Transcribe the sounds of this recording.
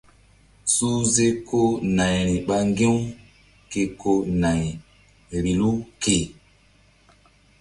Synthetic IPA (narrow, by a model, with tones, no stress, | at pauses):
su˦ze˦ko˦na˨jɾi˨ɓa˦ŋɡẽ˦u˦ | ke˨ko˦na˨j | ɾi˨lu˦ke˨